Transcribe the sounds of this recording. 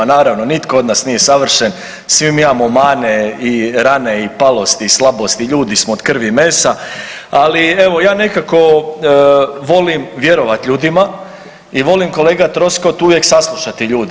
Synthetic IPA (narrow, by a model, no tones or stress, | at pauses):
anaːɾaʋnonit̪kood̪nasnije̞saʋr̩ʃen | sʋimimamomaːne̞iɾane̞ipalˠo̞st̪iːslˠabo̞st̪iʎuːd̪ismooːd̪kr̩ʋimeːsa | alie̞ʋo̞jaːne̞kako̞ | ʋo̞limʋje̞ɾo̞ʋat̪ʎuːd̪ima | iʋo̞limko̞leːɡat̪ɾo̞sko̞t̪uʋje̞ksaslˠuʃat̪iʎuːd̪i